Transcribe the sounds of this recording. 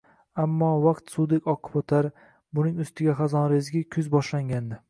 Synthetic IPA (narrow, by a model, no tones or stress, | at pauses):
amːɒvaqt̪sud̪ɪkʲʰɒqʰʊ̥pot̪ʰaɾ | bʊnɪŋʊst̪ɪɡʲaχɑzɒnɾezɡʲɪkʲʰʊzbɒʃlaŋɡʲand̪ɪ